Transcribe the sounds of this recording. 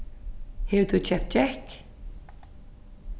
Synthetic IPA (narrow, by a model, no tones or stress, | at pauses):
hɛt̪ʰut͡ʃʰɛp̚t͡ʃɛhk